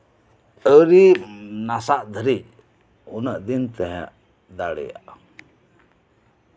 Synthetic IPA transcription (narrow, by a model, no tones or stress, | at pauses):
əɾinasaʔd̪ʱəɾic̚ | unəʔd̪int̪ɛɦɛ̰ʔ | d̪aɽɛ̰ja̰ʔ